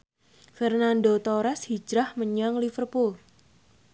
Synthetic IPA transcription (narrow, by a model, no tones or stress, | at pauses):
fərnandot̪oɾɛshi̥d͡ʒɾahməɲaŋlifərpul